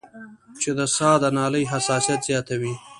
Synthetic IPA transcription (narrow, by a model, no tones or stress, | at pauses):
t͡ʃed̪əsɑːd̪ənɑːləjɦasɑːsijat̪z̥jɑt̪awi